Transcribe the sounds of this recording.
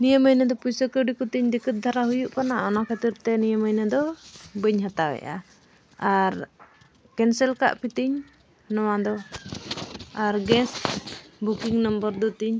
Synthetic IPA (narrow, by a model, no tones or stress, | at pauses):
nijəməjnəd̪ɔpujsəkəɖikut̪iɲd̪ikət̪̚d̪ʱaɾaɦujuʔkanaɔnakət̪iɾt̪ɛnijəməjnəd̪ɔbəɲɦat̪awɛ̰ʔa̰ | aɾ | kɛnsɛlka̰ʔpit̪iɲ | nɔwad̪ɔ | aɾɡɛsbukiŋnəmbəɾd̪ɔt̪iɲ